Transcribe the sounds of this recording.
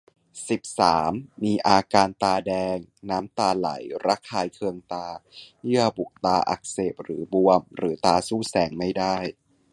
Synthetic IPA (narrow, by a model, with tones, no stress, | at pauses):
si˨˩p̚saː˩˦mːiː˧ʔaː˧kaː˧nt̪aː˧dɛː˧ŋnaː˦˥mt̪aː˧la̰˩˦jɾa˦˥kʰːaː˧jkʰɯ˧əŋt̪aː˧jɯ˥˩əbu˨˩k̚t̪aː˧ʔa̰˨˩k̚seː˨˩p̚ɾɯ̰ː˩˦bu˧əmɾɯː˩˦t̪aː˧suː˥˩sɛː˩˦ŋma˥˩jda˥˩j